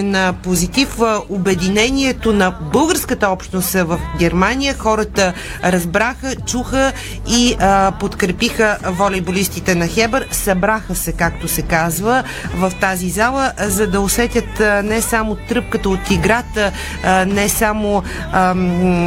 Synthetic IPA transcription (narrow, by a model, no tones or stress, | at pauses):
nəpozit̪ifəobɛd̪inɛniɛt̪onɐbɤlˠɡəɾskət̪əɔpʃt̪nosɛvəfɡʲɛɾmanʲijəxɔɾət̪ə | ɾɐzbɾaxət͡ʃuxə | ipot̪kɾɛpixəvolʲibolʲist̪it̪ɛnɐxɛbəɾsɐbɾaxəsɛkak̚t̪osɛkazvə | vɐft̪azizalˠəzɐd̪ɐosɛt̪ʲət̪nɛsamot̪ɾɤp̚kət̪əot̪iɡɾat̪ə | nɛsamo